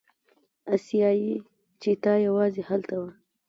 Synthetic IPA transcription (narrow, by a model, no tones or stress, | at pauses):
asijɑji | t͡ʃet̪ɑjawɑzehalt̪awa